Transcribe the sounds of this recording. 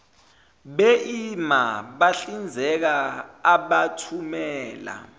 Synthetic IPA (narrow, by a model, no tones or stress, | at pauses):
ɓeʔimaɓaɬind͡zʱɛk̬aːɓatʰumɛːla̰